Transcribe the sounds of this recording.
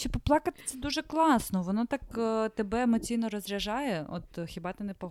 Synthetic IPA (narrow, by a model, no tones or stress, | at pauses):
ʃɔpɔplˠɑkɐt̪ɪ̥t̪sɛd̪uʒɛklˠɑsnɔʋɔnɔt̪ɑkt̪ebɛemɔt͡sʲijnɔɾɔzɾʲɐʒɑjɛo̰t̪xʲibɑt̪ɪnɛpɔɦ